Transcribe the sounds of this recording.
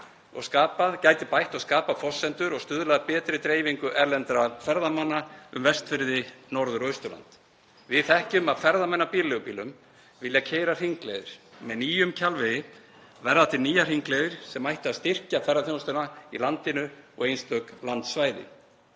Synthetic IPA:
ɔ̰ɣskaːpaðcaːjt̪ɪpajht̪ɔɣskaːpaðfɔsːɛnt̪ʏɾɔɣst̪ʏðlaðpɛːt̪ɾɪt̪ɾeːjviŋkʏʔɛɾlɛnt̪ɾafɛɾðamanːaʏ̰mvɛst̪fɪɾðɪnɔɾðʏɾɔʏst̪ʏɾla̰nt̪ | vɪðθɛhcʏmaðfɛɾðamɛnːapiːlɛɣʏpiːlʏm | vɪljacʰeːjɾar̥iŋklɛ̰ðɪɾ̥mɛðniːjʏmcʰalvɪɪ | vɛɾðat̪ɪniːjar̥iŋklɛːðɪɾ̥sɛmajht̪ɪaðst̪ɪr̥cafɛɾrːaθjost̪ʏnaḭlant̪ɪnʏɔ̰ɣejnst̪œklant̪svaːjðɪ̰

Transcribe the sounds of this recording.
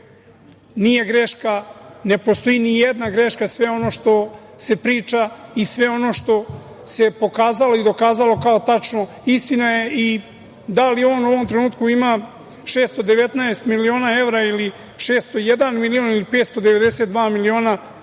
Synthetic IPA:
nije̞ɡɾeʃkane̞po̞st̪o̞inijed̪naɡɾe̞ʃkasʋe̞o̞noʃt̪o̞ | se̞pɾiːt͡ʂaisʋe̞o̞no̞ːʃt̪o̞ | se̞po̞kaːzalo̞id̪o̞kaːzalo̞kaot̪at͡ʃno̞ | ist̪inaje̞ʔi | d̪alio̞ːnuoʋo̞mt̪ɾe̞nuːt̪kuima | ʃe̞ːst̪od̪eʋe̞t̪naest̪milio̞ːnae̞ʋɾaili | ʃe̞ːst̪ojed̪anmilio̞nilipe̞ːt̪st̪od̪eʋe̞d̪eset̪̚d̪ʋaːmilio̞ːna

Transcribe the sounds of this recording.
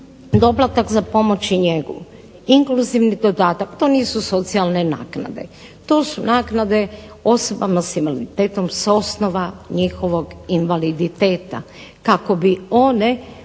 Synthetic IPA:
d̪o̞plat̪akzapo̞mo̞t͡ɕiɲe̞ɡṵ | iŋkluziʋnid̪o̞d̪aːt̪akt̪o̞niːsuso̞t̪sialˠne̞na̰ːkna̰d̪e̞̰ | t̪o̞ːsunaːknad̪e̞ | o̞sobamasimalit̪eːt̪o̞mso̞snoʋaɲixo̞ʋo̞ɡinʋalid̪it̪e̞ːt̪a̰ | kako̞bio̞ne̞

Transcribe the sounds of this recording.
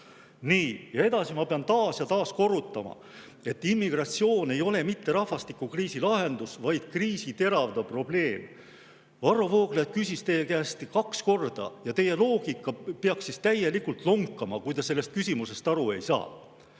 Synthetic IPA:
niːjɑe̞d̪̥ɑsimɑpeɑnt̪ɑːsjɑt̪ɑːsko̞rut̪ːˑɑmɑ̰ | e̞t̪ˑːimːiɡ̥rɑt̪sio̞ːne̞jo̞le̞mit̪ːe̞ɾɑhvɑst̪ikːˑukriːsilɑɦe̞nd̪usvɑjd̪̥kriːsit̪e̞ɾɑvd̪̥ɑpro̞b̥le̞ːm | vɑrːo̞voːɡ̥let̪̚kysʲist̪e̞jekæːst̪ikɑksko̞rd̪̥ɑ̰jɑt̪e̞jːe̞lo̞ːɡ̥ikːˑɑpeɑksist̪æje̞likult̪loŋkːˑɑmɑ̰kujd̪ɑse̞lːe̞st̪̚kysʲimuse̞st̪ɑɾue̞jsɑ̰ː

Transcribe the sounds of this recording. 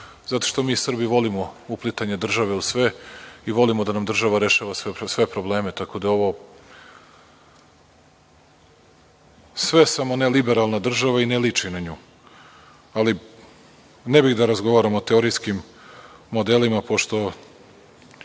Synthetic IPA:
zat̪o̞ʃt̪omiːsr̩biʋo̞limo̞uplˠit̪aɲe̞d̪r̩ʒaʋeusʋe̞iʋo̞limod̪anamd̪r̩ʒaʋaɾe̞ʃaʋasesʋepɾo̞blˠe̞ːmet̪akod̪ao̞ʋo̞ | sʋesamo̞ne̞libe̞ɾalˠnad̪r̩ʒaʋainelit͡ʂinaɲuː | ali | nebixd̪aɾazɡo̞ʋaːɾamot̪eoɾiskimː | od̪e̞limapo̞ʃt̪o̞

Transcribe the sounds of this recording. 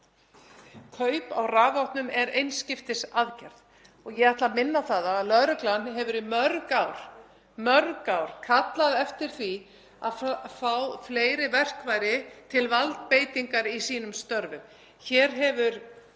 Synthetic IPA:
kʰœːɥpa̰wraːvawht̪nʏmɛɾejnscɪft̪ɪsaðcɛɾð | ɔɣjɛɣaht̪lamɪnːaθaðaðlœɾʏklanɦɛvʏɾimœɾkawɾ̥ | mœɾkawɾ̥kʰat̪laðɛft̪ɪɾ̥θvi | aðfaːwfleːjɾɪvɛr̥kvaːjɾɪt̪ʰɪlvalt̪̚peːjt̪iŋkaɾisiːnʏmst̪œɾvʏm | çɛːɾɦɛvʏɾ̥

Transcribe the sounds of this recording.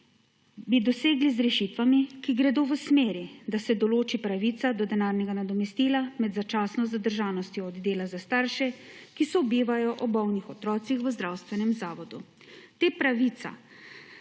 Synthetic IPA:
bid̪ɔseːɡlizɾɛʃit̪ʋamikiɡɾɛd̪oːʋəsmeːɾid̪asɛd̪ɔloːt͡ʃipɾaʋit̪sad̪ɔd̪ɛnaːɾnʲɛɡanad̪ɔmɛst̪iːlamɛd̪zat͡ʃaːsnɔzad̪əɾʒaːnɔst̪jɔːd̪d̪eːlazast̪aːɾʃɛkisɔbiːʋajɔʔɔbɔwnixɔt̪ɾɔːt̪sixʋəzd̪ɾawst̪ʋɛnɛmzaːʋɔd̪u | t̪eːpɾaʋit̪sa̰

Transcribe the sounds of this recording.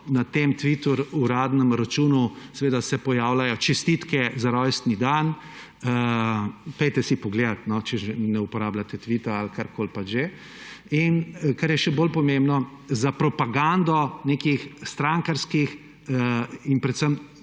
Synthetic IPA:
nat̪emt̪ʋit̪uɾuɾaːd̪nəmɾat͡ʃuːnusɛʋeːd̪asɛpɔjaːwlajɔt͡ʃɛst̪it̪kɛzaɾɔjst̪nid̪an | ə | pɛjt̪ɛsipɔɡled̪at̪nɔt͡ʃɛʒɛnɛupɔɾaːblat̪ɛt̪ʋit̪aalkaɾkoːlpad͡ʒʒe | inkaɾjɛʃɛbolpɔmembnɔ | zapɾɔpaɡand̪ɔnekixst̪ɾaŋkaɾskix | inpɾɛt̪səm

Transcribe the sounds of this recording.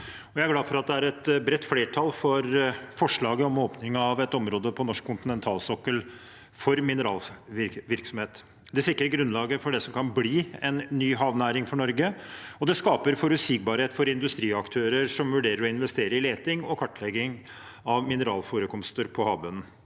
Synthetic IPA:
ɔjæɪæɾɡlɑːfɔɾɑt̪̚d̪ɛæɾɛt̪bɾɛt̪ːfleːʈʰɑlfɔɾfɔʂɭɑːɡəɔmoːpnɪŋɑʋɛt̪ɔmɾoːd̪əpʰɔnɔʂkkʰːʊnt̪ɪnɛnt̪ʰɑːlsɔkːəl | fɔɾmɪnəɾɑ̰ːlʋɪʋɪɾksɔmheːt̪ | d̪ɛsɪkːəɾɡɾʉnlɑːɡəfɔɖɛsɔmkʰɑnbliːɛnːyːɦɑːʋnæːɾɪŋfɔɳɔɾɡəɔd̪ɛskɑːpəɾfɔɾʉsɪk̚bɑːɾheːt̪fɔɾɪnd̪ʉst̪ɾiːɑkt̪ʰøːɾəɾʂɔmʋʉɖeːɾəɾɔɪnʋɛst̪eːɾəɾɪleːt̪ɪŋɔkʰɑʈːlɛɡɪŋ | ɑʋmɪnəɾɑ̰ːlfoːɾəkʰɔmst̪əɾpʰɔhɑːbʉnn̩

